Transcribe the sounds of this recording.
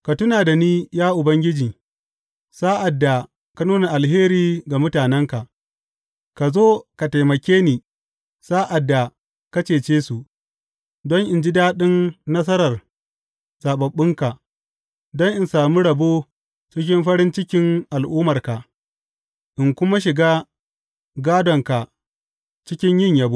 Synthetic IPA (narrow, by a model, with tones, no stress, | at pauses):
ka˨tʊ˦naː˨da˨niː˦jaː˦ʔʊ˨bɐ˦ŋɡʲɪ˦d͡ʒiː˨ | sa˦ʔa˨dːa˨ | ka˦nuː˦na˨ʔa˨lɦeː˦ɾiː˨ɡa˨mʊ˦taː˨nɛ˦ŋka˨ʔ | ka˨zoː˦ka˨ta˨jmɐ˨kʲeː˦niː˨ | saː˦ʔa˨dːa˨ | ka˦t͡ʃeː˨t͡ʃeː˦su˨ʔ | dɔ˦ŋʔɪ˨nd͡ʒi˦daː˦ɗɪ˦nnɐ˦s̬ɐ˦ɾɐ˨r | zaː˨ɓɐ˨ɓːɪ˦ŋka˨ | dɔ˦ŋʔɪ˨nsaː˨mu˦ɽɐ˨boː˦ | t͡ʃɪ˦k̬ʲɪ˦mɸɐ˦ɽɪ˦nt͡ʃɪ˦kʲɪ˦ŋʔa˨lʔuː˦mɐ˨rka˨ʔ | ʔɪ˨ŋkʷʊ˦ma˦ʃ̬ɪ˨ɡaː˦ | ɡaː˦dɔ˨ŋka˨ | t͡ʃɪ˦kʲɪ˦ɲjɪ˦ɲjaː˦bu˦